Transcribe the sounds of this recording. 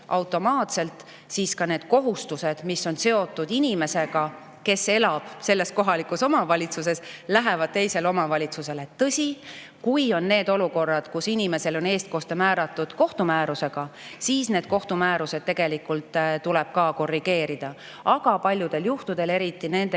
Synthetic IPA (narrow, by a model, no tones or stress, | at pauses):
ɑwt̪ːˑo̞mɑːt̪se̞lt̪ | siːskɑne̞ːd̪̥ko̞ɦust̪use̞d̪̥misːo̞nse̞o̞t̪ːˑud̪̥inʲime̞se̞ɡ̥ɑ | ke̞se̞lɑb̥se̞lːe̞sko̞ɦɑlikuso̞mɑvɑlʲit̪suse̞slæɦe̞vɑd̪̥̚t̪e̞jse̞lo̞mɑvɑlʲit̪suse̞le̞t̪ːɤsʲi | kujo̞nːe̞ːd̪oluko̞rːɑd̪̥kusinime̞se̞lo̞ne̞ːst̪̚ko̞st̪emæːɾɑt̪ːˑud̪̥ko̞ht̪umæːɾuse̞ɡ̥ɑsiːsne̞ːd̪̥̚ko̞ht̪umæːɾuse̞d̪̥̚t̪ːe̞ɡ̥e̞likult̪ˑt̪uleb̥̚kɑːko̞rːiɡ̥e̞ːɾid̪̥ɑ | ɑɡ̥ɑpɑlʲjud̪̥e̞ljuht̪ud̪̥e̞le̞ɾit̪ːˑine̞nd̪e